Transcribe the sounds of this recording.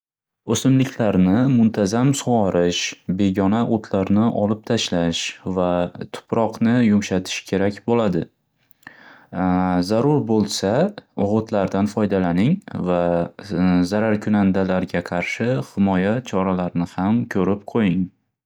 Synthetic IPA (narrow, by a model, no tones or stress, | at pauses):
ɵsɪmlɪkʲʰlaɾnɪmʊnt̪ʰazamsʊwɒɾɪʃbe̞ɡʲɒnaʔot̪ʰlaɾnɪʔɒlɪp̚t̪ʰaʃlaʃvat̪ʰʊ̥pɾɒqnɪjʊmʃat̪ʰɪ̥ʃkʲʰe̞ɾakʲbolad̪ɪ | zaɾʊɾbolˠsaʊʁʊt̪ʰlaɾd̪anfɒjd̪alanɪŋva | zaɾaɾkʰʊnand̪alaɾɡʲaqʰɑɾʃɪhɪmɒjat͡ʃʰɒɾalaɾnɪhamkʲʰɵɾɪp̚qʰojɪŋ